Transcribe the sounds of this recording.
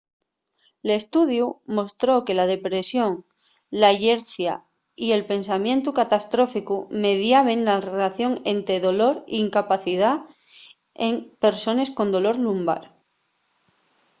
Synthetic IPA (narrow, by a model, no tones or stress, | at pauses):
le̞st̪uðjumo̞st̪ɾo̞ke̞lað̞e̞pɾe̞sjo̞ŋ | laʝe̞ɾθja̰ | ie̞lpe̞nsamjẽ̞nt̪ukat̪ast̪ɾo̞fikume̞ðjaβ̞e̞nlarelaθjo̞ŋe̞nt̪ɾe̞ðo̞lo̞ɾḭːŋkapaθiða | e̞ŋpe̞ɾso̞ne̞sko̞nd̪o̞lo̞ɾlumba̰ɾ